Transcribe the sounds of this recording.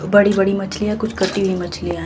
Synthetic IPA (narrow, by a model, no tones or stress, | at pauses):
bɐɽibɐɽimɐt͡ʃʰlijãkʊt͡ʃʰkɐʈibʱimɐt͡ʃʰlia